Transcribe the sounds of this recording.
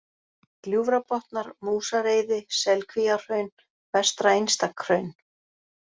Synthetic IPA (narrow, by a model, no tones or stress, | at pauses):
kljuːvɾapɔht̪naɾmuːsaɾeːjðɪsɛlkʰvijar̥œɥn | vɛst̪ɾaejnst̪akʰɾœɥn